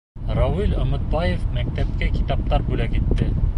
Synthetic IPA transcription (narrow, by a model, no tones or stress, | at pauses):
ɾɑwilŏmɘ̆t̪̚bɑjefmæk̚t̪æp̚kækʲi̥t̪ɑp̚t̪ɑɾbulækit̪ːɘ